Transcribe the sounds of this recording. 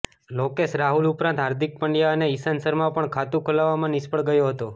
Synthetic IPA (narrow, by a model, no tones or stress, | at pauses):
lokeʃɾaɦulupɾãnt̪ɦaɾd̪ʱik̚pəɳɖjaəneisansəɾmãpəɳkʰat̪ũkʰolaʋːamãnɪspəɽɡəjoɦət̪o